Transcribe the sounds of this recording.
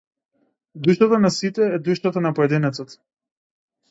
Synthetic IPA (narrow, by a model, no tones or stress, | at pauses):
d̪uʃt̪at̪anasit̪ɛːd̪uʃt̪at̪anapɔɛd̪inɛt̪sɔt̪